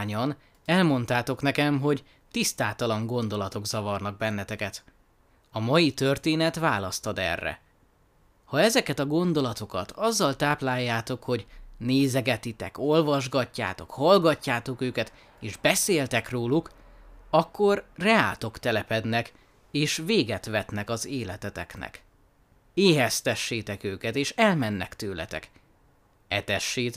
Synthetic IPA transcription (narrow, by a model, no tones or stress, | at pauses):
ɲɒn | ɛlmo̞nt̪aːt̪o̞knɛkɛmɦo̞ɟ | t̪ist̪aːt̪ɒlɒŋɡo̞nd̪o̞lɒt̪o̞ɡzɒvɒrnɒɡ̚bɛnːɛt̪ɛkɛt̪ | ɒmɒjit̪ø̞rt̪eːnɛt̪vaːlɒst̪ɒd̪ɛ̰rːɛ̰ | hɒɛzɛkɛt̪ɒɡo̞nd̪o̞lɒt̪o̞kɒ̰t̪ʰɒzːɒlt̪aːplaːjːaːt̪o̞kho̞ɟneːzɛɡɛt̪it̪ɛ̰ko̞lvɒʒɡɒcːa̰ːt̪o̞khɒlɡɒcːaːt̪o̞køːkɛt̪ | eːʒbɛseːlt̪ɛkroːluk | ɒkːo̞rrɛaːlt̪o̞kt̪ɛlɛpɛd̪nɛk | eːʃveːɡɛt̪ʋɛt̪nɛkɒzeːlɛt̪ɛt̪ɛknɛ̰k | eːɦɛst̪ɛʃːeːt̪ɛkøːkɛt̪eːʃɛlmɛnːɛkt̪øːlɛ̰t̪ɛ̰k | ɛt̪ɛʃːeːt̪